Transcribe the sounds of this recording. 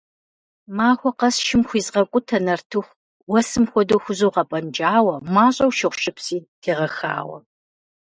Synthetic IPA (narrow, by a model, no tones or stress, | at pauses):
maːxʷɔqɐsʃɪmxʷiːzʁɐkʷʼʊtʰɐnɐrtʰɨxʷ | wɐsɨmxʷɔdowxʷʊzowʁɐpʼɐnd͡ʒʼaːwɐmaːɕʼɐwʃɪχʷʃʼɪpsiːtʰeːʁɐxa̰ːwɐ̰